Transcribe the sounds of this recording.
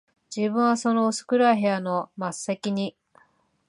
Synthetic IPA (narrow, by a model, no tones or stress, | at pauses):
d͡ʑiːbɯ̟̃ɰ̃βaso̞no̞ːsɨ̥kɯ̟ɾaiɦe̞ano̞masːe̞kʲiɲ̟i